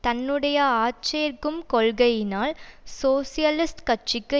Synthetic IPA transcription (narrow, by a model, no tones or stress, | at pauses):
t̪ɐnːɯɽɐjɐaːt͡ʃejɐɾkɯmkɔɭɣɐjɪnaːlsoːsɪjɐlɪsʈkɐʈt͡ʃɪkːɯ